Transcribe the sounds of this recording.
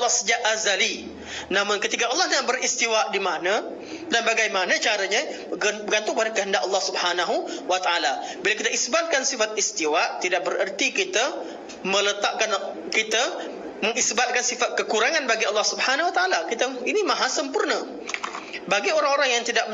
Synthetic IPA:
lːɑhsəd͡ʒaʔazali | namʊnkət̪ikaʔɑlːɑhabəɾist̪iwaʔdimanə | danbaɡajmanət͡ʃaɾaɲa | ɡbəɡant̪ʊŋbadakəɦəndaʔɑlːɑhsubhanaɦuwat̪aʔalabilakit̪aisbat̪̚kansifat̪̚ist̪iwaʔt̪idaʔ̚bərərt̪ikit̪a | mə̃lət̪aʔkan | kit̪a | məŋisbat̪̚kansifat̪̚kəkuɾaŋanbaɡiɑlːɑhsubhanawat̪aalakit̪ainimãɦasəmpurnə | baɡioɾaŋoɾaŋjaŋt̪idaʔ

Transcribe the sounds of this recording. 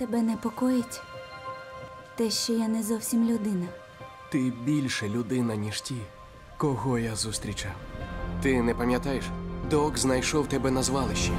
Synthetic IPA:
t̪ɛbɛnɛpɔkɔjɪtʲ | t̪ɛʃt͡ʃɔjanɛzɔwsʲimlʲʊd̪ɪnɐ | t̪ɪbʲilʲʃɛlʲʊd̪ɪnɐnʲiʃtʲi | kɔɦɔjazust̪ɾʲit͡ʃawt̪ɪnɛpɐmʲjɐt̪ɑjeʃd̪ɔɡznɐjʃɔwt̪ɛbɛnɐzʋɑlˠɪʃt͡ʃi

